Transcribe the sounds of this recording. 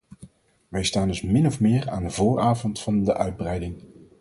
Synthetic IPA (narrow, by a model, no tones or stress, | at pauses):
ʋɛjstaːndɵsmɪnɔfmɪːraːndəvʊːɹaːvɔntfɑndəʔœɥd̚brɛjdɪŋ